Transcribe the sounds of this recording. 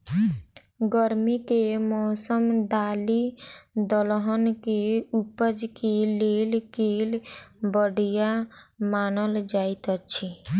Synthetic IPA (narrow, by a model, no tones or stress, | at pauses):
ɡəɾmikemɔːsəmd̪aːlid̪ɔlɦənkeupəd͡ʒkeleːlkeːlbəɽijamaːnəld͡ʒaːit̪ət͡ʃʰi